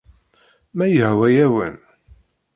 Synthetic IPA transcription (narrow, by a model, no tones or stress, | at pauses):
mæjəhwæjæwə̰n